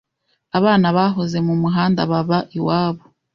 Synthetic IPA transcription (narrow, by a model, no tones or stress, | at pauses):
aβaːnaβaɦoze̞mumuɦaːndaβaβaʔiwaːβo